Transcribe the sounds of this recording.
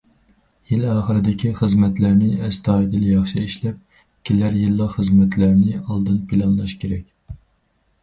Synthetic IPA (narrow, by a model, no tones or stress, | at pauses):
jilɑːχəɾɪd̪ɪkʲʰiχəzmɛt̪læɾnɪɛst̪ɑːid̪ɨljɑχʃɨiʃlɛp̚ | kʲʰilæɾjilˠːɑqχəzmɛt̪ʰlæɾnɪɑlˠd̪ɨnpʰɪlˠɑnlˠɑʃkʲʰeɾɛkʲ